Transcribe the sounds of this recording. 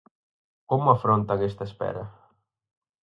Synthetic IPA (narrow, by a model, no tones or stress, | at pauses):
komʊafɾont̪aɣest̪ɐespɛ̰ɾɐ